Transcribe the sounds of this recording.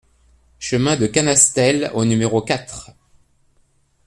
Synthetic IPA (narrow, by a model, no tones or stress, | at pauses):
ʃəmɛ̃d̪əkanast̪ɛlonymeʁokat̪χ